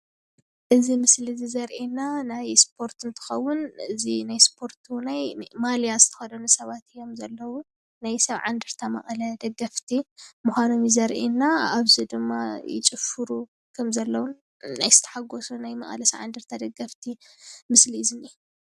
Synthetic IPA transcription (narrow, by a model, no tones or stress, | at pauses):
ʔɨzimɨslizizɐɾʔinanajspʰo̞ɾt̪ɨnt̪ʰɨ̥xɐwːʊnɨzinajspʰo̞ɾt̪ʰunajmalijazɨt̪ʰɐ̥xɐd̪onɨsɐβat̪ɨjomzɐlːɐwu | najsɐβʕa̰nd̪ɨɾt̪ʰamɐ̰ʔʼlɐd̪ɐɡɐft̪ʰimuxʷano̞mjizɐɾʔinːaaβzid̪ɨmːajɪ̰t͡ʃʼɨfɨɾu | kʰɐmzɐlːɐwun | najz̥ɨt̪ʰɐ̥ħaɡosunajmɐ̰ʔʼɐlɐsɐʕa̰nd̪ɨɾt̪ʰad̪ɐɡɐft̪ʰimɨsliɨzɨni